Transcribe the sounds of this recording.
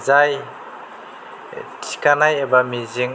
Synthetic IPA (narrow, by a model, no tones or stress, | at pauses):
zaj | tʰi̥kanajebamiziŋ